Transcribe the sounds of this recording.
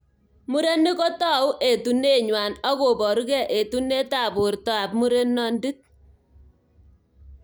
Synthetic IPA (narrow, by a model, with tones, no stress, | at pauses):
mu˦ɾe˦nːɪ˦kɔ˦tɔ˦˨u˦ʔe˨tu˨ne˦ɲwa˨nɔ˦ko˨bɔ˨ɾu˦kɛ˦ʔe˨tu˦ne˦ta˦˨bʊ˨ɾtɔ˦a˨pmu˦ɾe˦nːɔ˦ndi˦t̚